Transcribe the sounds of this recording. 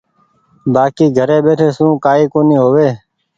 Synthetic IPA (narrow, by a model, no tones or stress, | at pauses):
baːkiːɡʱəɾeːɓeːʈʰeːsũːkaːiːkoːniːɦoːʋeː